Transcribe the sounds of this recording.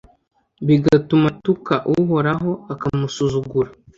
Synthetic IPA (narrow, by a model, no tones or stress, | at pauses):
βiɡatumatukaʔuɦoɾaɦo̞akamusuzuɡuɾa